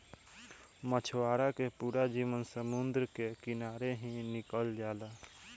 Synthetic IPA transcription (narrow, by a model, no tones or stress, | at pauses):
mət͡ʃʰwaːɾakepuːɾad͡ʒiːʋənsəmʊnd̪ɾkekɪnaːɾeɦĩnɪkəld͡ʒaːla